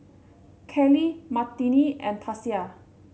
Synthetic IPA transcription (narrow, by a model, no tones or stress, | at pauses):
kʰɛlimat̪ːiniɛ̃npʰasia